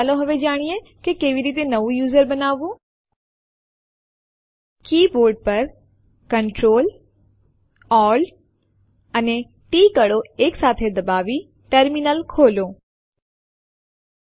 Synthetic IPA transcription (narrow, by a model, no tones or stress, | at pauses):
loɦɐʋed͡ʒaːɽ̃ijekekeːʋiɾiːt̪̬enɐʋujuːzəɾbɐnaːʋu | kiːboːɾɖ̚pɐɾ | kɐɳʈɾoːl | ɔːl | ɐne | ʈiːkɐɽoeːksaːt̪ʰed̪ɐbaːʋi | ʈəɾminəlkʰoːloː